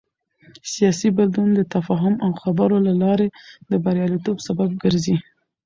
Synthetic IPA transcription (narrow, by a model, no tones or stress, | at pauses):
sijɑsibad̪und̪ət̪afɑɦʊmʔawxabəɾolalɑɾed̪əbaɾjɑlit̪obsabab̚ɡəɾzi